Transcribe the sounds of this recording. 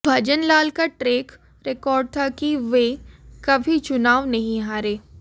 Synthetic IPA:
bʱɐd͡ʒənlaːlkaʈɾeːk | ɾekɔːɾɖ̚t̪ʰakiʋeːkɐbʱit͡ʃʊnaːʋnɐɦĩɦaːɾeː

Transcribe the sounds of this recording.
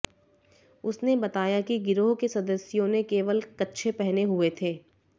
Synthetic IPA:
ʊsnebɐt̪aːjakiɡɪɾoɦkesɐd̪əsjõnekeːʋəlkɐtːʃʰepɛɦneɦʊet̪ʰeː

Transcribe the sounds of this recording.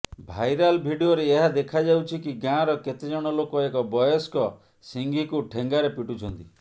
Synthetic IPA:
bʱajɾalbʱiɖioɾeːɦad̪ekʰad͡ʒawt͡ʃʰikiɡãɾɔket̪ed͡ʒɔɽ̃ɔlokɔekɔbɔjɔskɔ | siŋɡʱikuʈʰeŋɡaɾepiʈut͡ʃʰɔnt̪i

